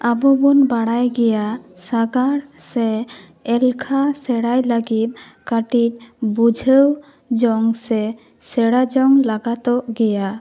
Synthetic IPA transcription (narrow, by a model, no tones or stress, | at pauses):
abɔbɔnbaɽajɡɛjasaɡaɾsɛ | ɛlkʰasɛɽajlaɡit̪̚ | kaʈic̚ˀbud͡ʒʱəw | d͡ʒɔŋsɛ | sɛɽad͡ʒɔŋlaɡat̪ɔʔɡɛja